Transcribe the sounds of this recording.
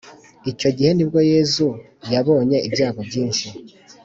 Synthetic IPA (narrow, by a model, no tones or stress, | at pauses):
ico̞ɟihe̞nib̚ɡo̞je̞zu | jaβo̞ːɲe̞ʔibjaːɡo̞bɟiːnʃi